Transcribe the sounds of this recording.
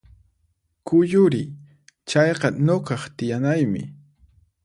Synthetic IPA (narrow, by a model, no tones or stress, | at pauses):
kʊjʊɾɪ | t͡ʃɑjqɑnoqɑχt̪ɪjanajmɪ̰